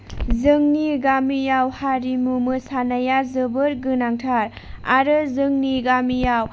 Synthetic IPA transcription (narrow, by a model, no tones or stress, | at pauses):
zɯŋniɡamijawhaɾimumɯsanajazɯbɯɾɡɯnaŋtʰaɾ | a̰ɾɯzɯŋniɡamijaw